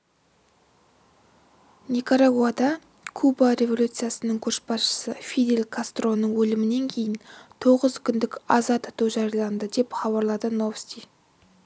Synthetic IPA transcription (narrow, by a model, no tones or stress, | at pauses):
nʲikoɾaɡuad̪ɑ | kʰubaɾʲe̞vo̞lʲut̪sɨjasənəɴkʲʰɵɾʃbɑsʃə̥səfʲid̪e̞lʲkʰast̪ro̞nːəɴwɵlɪmɪne̞ŋkʲʰe̞jɪnt̪ʰo̞ʁəzkʲʰʏnd̪ɪkɑzɑt̪ɑt̪uwʒɑɾjɑlˠɑnd̪əd̪e̞pχɑβɑɾlˠɑd̪əno̞fsʲt̪ʲij